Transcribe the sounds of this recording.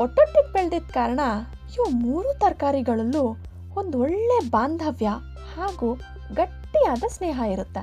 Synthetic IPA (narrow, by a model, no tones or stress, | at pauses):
ɔʈːɐʈːik̚peɭd̪id̪kaːɾɐɳɐ | juːmuːɾut̪ɐɾkaːɾiɡɐɭɐlːu | ond̪uɔɭːebaːnd̪ʱɐʋjɐ | haːɡuː | ɡɐʈːijaːd̪ɐsneːɦɐiɾut̪ːe